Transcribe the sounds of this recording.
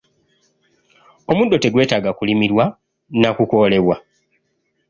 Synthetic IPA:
o̞mudo̞te̞ɡwe̞ːtaːɡakulimiɾwa | nakuko̞le̞βwa

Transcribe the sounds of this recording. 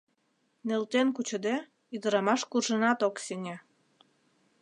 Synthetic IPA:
nelt̪enkut͡ɕə̆d̪e | yd̪ə̆ɾɑmɑʃkurʒənɑt̪okseŋʲe

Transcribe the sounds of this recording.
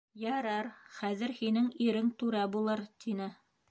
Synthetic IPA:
jɑɾɑɾχæðɘ̆ɾhinɘŋiɾɘŋt̪ʉɾæbulˠɤɾt̪ʰinɘ

